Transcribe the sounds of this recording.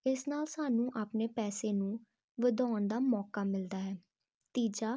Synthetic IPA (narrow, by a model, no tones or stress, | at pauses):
ɪsnaːlsaːnũːʔaːpneːpɛːseːnũː | ʋəd̪ɔːnd̪aːmɔːkaːmɪld̪aːɦɛː | t̪iːd͡ʒaː